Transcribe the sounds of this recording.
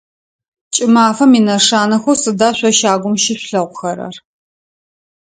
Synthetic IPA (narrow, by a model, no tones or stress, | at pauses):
t͡ʃʼɪmaːfɐminɐʂaːnɐxʷʊsɨdaːɕʷɔʃaːɡʷʊmʃɪɕʷɬɐʁʷʊxɐɾɐ̰r